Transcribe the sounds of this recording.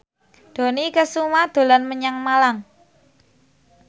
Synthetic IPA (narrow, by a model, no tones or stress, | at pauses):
d̪̥o̤nikəsumad̪̥o̤lanməɲaŋmalaŋ